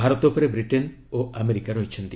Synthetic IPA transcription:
aɾɔt̪ɔupɔɾebɾiʈen | oameɾikaɾɔɦit͡ʃʰɔnt̪i

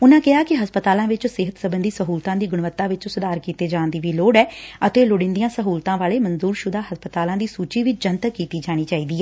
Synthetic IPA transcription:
ʊnãːkɪɦaːkɪɦəspət̪aːlãːʋɪt͡ʃsɪɦət̪səbənd̪iːsəɦuːlt̪ãːd̪iːɡʊɳʋət̪ːãːʋɪt͡ʃːsʊd̪aːɾkiːt̪eːd͡ʒãːnd̪iːʋiːloːɽɛːət̪eːlʊɽɪ̃nd̪ijãːsəɦuːlt̪ãːʋaːleːmənzuːɾʃʊd̪aːɦəspət̪aːlãːd̪iːsuːt͡ʃiːʋit͡ʃd͡ʒənt̪əkiːt̪iːd͡ʒaːɽ̃iːt͡ʃaːiːd̪iːɛː

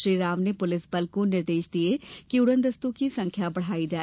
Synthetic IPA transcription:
ɾiːɾaːʋneːpʊlɪsbəlkõnɪɾd̪eːʃd̪ɪeːkɪʊɽə̃nd̪əst̪ũːkiːsə̃ŋkʰjaːbəɽ̤aːiːd͡ʒaː

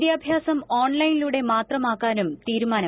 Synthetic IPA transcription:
jaːbʱjaːsɐmoːɳlɐjniluːɽe̞maːt̪rɐmaːkːaːnumt̪iːɾumaːnɐ

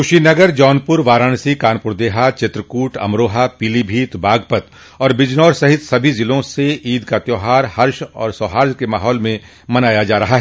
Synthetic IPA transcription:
kʊʃinɐɡəɾd͡ʒɔːnpʊɾʋaːɾaːñsikaːnpʊɾd̪eːɦat͡ʃɪt̪ɾəkuːʈʰɐ̰mɾoːɦapilibʱiːt̪baːɡpət̪ | ɔːɾbɪd͡ʒnɔːɾsɐɦɪt̪sɐbʱizɪlõseiːd̪kat̪joːɦaːɾhɐɾʃɔ̰ːɾsɔːɦaːɾd͡ʒkemaːɦɔːlmẽ | mɐnaːjad͡ʒaːɾɐɦaɦɛ

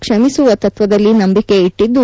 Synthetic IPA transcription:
kʂɐmisuʋɐt̪ɐt̪ʋɐd̪ɐlːinɐmbike̞iʈːid̪ːu

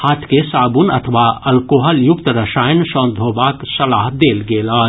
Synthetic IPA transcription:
haːt̪ʰkesaːbunɐ̰t̪ʰəʋaɐlkoːɦəljʊkt̪ɾɐʃaːjənʃɔ̃ːnd̪ʱoːbaːksɐlaːɦd̪eːlɡeːlaː

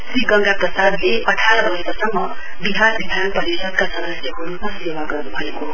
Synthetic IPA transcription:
sɾiɡʌŋɡaprʌsad̪leʌʈʰaɾʌɾʌɦet̪asʌmːʌ | biɦanbid̪ʱanpʌɾisʌd̪̚kasʌd̪ʌsjʌɦuɾunassebaɡʌrnubʱʌeko

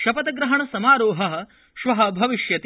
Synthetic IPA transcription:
ʃɐpɐt̪ɐɡɾɐɦɐɳɐsɐmaːɾoːɦɐɦɐ̆ | ʃʋɐɦɐ̆bʱɐʋiʃjɐt̪

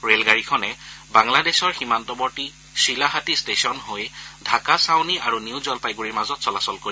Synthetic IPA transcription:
ɹelɡaɹikʰɔnɛbaŋladɛsɔɹximantɔbɔɹti | silaɦatistesiɔnɦojdʱakasawniaɹuniwzɔlpajɡuɹiɹmazɔtsɔlasɔlkoɹi

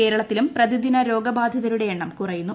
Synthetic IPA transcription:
e̞ːɾɐɭɐt̪ːilumprɐd̪id̪inɐɾo̞ːɡɐbaːd̪ʱjɐðɐɾuɽe̞jeɳːɐmkurɐjunːu

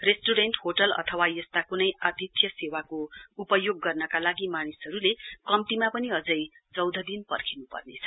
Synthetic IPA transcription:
resʈuɾenʈɦoʈʌlʌ̰t̪ʰʌwajʌst̪akunʌjad̪ʱit̪ʰjʌsewakoupʌjoɡːʌrnʌkalaɡimanisɦʌɾulekʌmt̪imapʌniʌd͡zʌj | t͡sʌwd̪ʱʌd̪inpʌrkʰinupʌ̰rnet͡sʰʌ̥

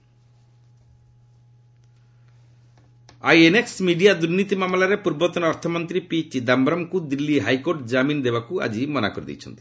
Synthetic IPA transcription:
ajeneksmiɖijad̪uɾnit̪imamlaɾepuɾbɔt̪ɔnɔɾt̪ʰɔmɔnt̪ɾipit͡ʃid̪ambɾɔmkud̪ilːiɦajkoɾʈd͡ʒamind̪ebakua̰d͡ʒimɔna̰koɾid̪ḭt͡ʃʰɔ̰nt̪i̥

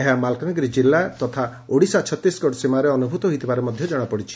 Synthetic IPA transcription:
eɦamalkaŋɡɾid͡ʒilːat̪ɔt̪ʰa | oɽisɔat͡ʃʰɔt̪ːɾisɡɔɽsimaɾeɔnubʱut̪ɔɦojt̪ʰibaɾemɔd̪ʱjɔd͡ʒɔɽ̃apɔɽit͡ʃʰi̥

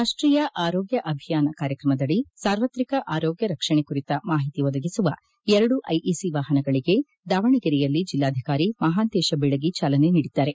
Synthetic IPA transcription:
ɾaːʂʈɾiːjɐʔaːɾoːɡjɐʔɐbʱijaːnɐkaːɾjɐkɾɐmɐd̪ɐɭisaːɾʋɐt̪ɾikɐʔaːɾoːɡjɐɾɐkʂɐɳekuɾit̪ɐmaːɦit̪iʋɔd̪ɐɡisuʋɐ | ɛɾɐɽuʔɐ̰jʔisiʋaːɦɐnɐɡɐɭiɡe̞ | d̪aːʋɐɳiɡɐɾijɐlːid͡ʒilːaːd̪ʱikaːɾimɐɦaːnt̪eːʃɐbɛɭɐɡit͡ʃaːlɐne̞niːɽid̪ːaːɾe̞

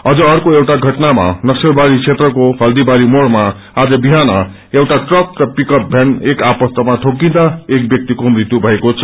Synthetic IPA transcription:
ʌd͡zʌʌrkoewʈaɡʱʌʈnama̰nʌksʌbaɾit͡sʰet̪rʌkoɦʌld̪ibaɾimoɽma | ad͡zʌbiɦanʌ | ewʈaʈrʌk̚rʌpikʌp̚bʱjanekapʌst̪ʌmaʈʰokːĩd̪aek̚bjʌk̚t̪ikomrit̪jubʱʌekot͡sʰʌ̥

